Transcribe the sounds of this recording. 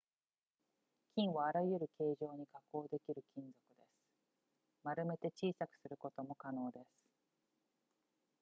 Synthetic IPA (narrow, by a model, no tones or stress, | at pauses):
kʲĩɰ̃βaːɾaijɯ̟ɾɯ̟ke̞ːʑo̞ːɲ̟ikako̞ːd̪e̞kʲiɾɯ̟kʲĩnd͡zo̞kɯ̟d̪e̞sɨ̥ | maɾɯ̟me̞t̪e̞t͡ɕiːsakɯ̟̥sɨɾɯ̟ko̞t̪o̞mo̞kano̞ːd̪e̞sɨ̥